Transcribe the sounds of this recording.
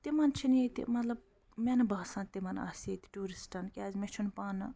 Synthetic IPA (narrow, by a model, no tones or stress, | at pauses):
t̪imɐnt͡ʃʰinjet̪ḭmɐt̪lɐb̚ | mʲɛnɐbɐɦsɐ̃nt̪imɐnɐ̰ːset̪ʲi̥ʈuːɾisʈɐnkʲaːzʲmet͡ʃʰunpaːnɨ